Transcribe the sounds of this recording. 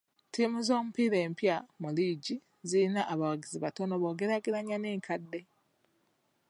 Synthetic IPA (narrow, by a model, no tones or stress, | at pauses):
timuzo̞ːmupiɾe̞ːmpjamuliːɟi | ziinaʔaβawaɡiziβato̞noβo̞ːɡe̞ɾaɡiɾaɲaneːŋkʰadːe̞